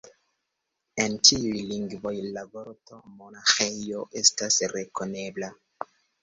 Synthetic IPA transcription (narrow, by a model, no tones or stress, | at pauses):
entʰiujliŋɡvo̞jlavoɾtomonaxejoʔestasɾekone̞bla